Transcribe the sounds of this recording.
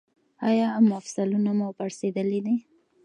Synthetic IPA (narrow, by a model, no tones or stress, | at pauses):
ɑjɑmʊafsalunamʊpaɾsed̪əlid̪i